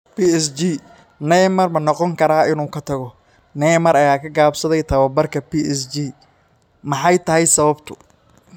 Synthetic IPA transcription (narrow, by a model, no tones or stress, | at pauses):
piːɛsd͡ʒi | nɛjmɐrmɐnɔqɔŋkʰɐɾaːɪnuːkʰɐt̪ʰɐɣɔ | nɛjmɐɾɐjaːkʰɐɡaːbsɐðɛjt̪ʰɐwɐbɐrkʰɐpiɛsd͡ʒiː | mɑħɑjt̪ʰɐɦɛjsɐβɐbt̪ʰʊ̥